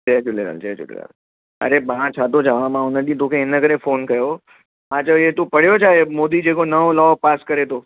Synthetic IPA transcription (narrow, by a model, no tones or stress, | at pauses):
d͡ʒɛːd͡ʒʊleɾa̰ːld͡ʒɛd͡ʒʊ̰lḛla̰l | ə̰ɾemãt͡ʃʰaːt̪̬od͡ʒəʋãmãʊnəɗĩt̪okʰẽenəɡəɾẽfoːnkɐjo | ɦãt͡ʃəet̪opəɽ̤jod͡ʒʰaemoːd̪id͡ʒekonəʋolɔːpaːskəɾet̪oː